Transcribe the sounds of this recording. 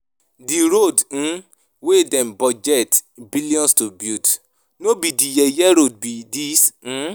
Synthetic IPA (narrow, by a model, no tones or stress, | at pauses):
diɾodñ̩ | wedɛ̃mbɔd͡ʒɛtbiliɔ̃nstobjut | nobidijɛjɛɾod̚bidis̩